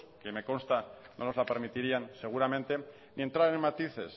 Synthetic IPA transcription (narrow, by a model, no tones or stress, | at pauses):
keme̞ko̞nst̪ano̰lo̞zlape̞ɾmit̪iɾianse̞ɣ̞uɾamẽnt̪e̞ | nie̞nt̪ɾaɾe̞nmat̪iθe̞̰s